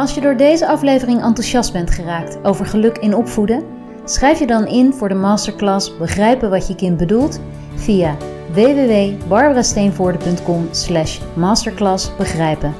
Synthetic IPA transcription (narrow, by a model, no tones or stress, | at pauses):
ɑlˠsjədʊːɹdejzəɑflejvərɪŋɑntuʃɑsd̚bɛntχəraːktowvəɹχəlɵkɪnɔpfudə | sχrɛjfjədɑnɪnvʊːɹdəmaːstəɹklɑsbəχrɛjpənʋɑtjəkɪnt̚bədulˠt | v̥ijaː | ʋejʋeːʋejbɑɹbəraːstejnvʊːɹdəpɵntkɔmslɛʃ | maːstəɹklɑsb̥əχrɛjpən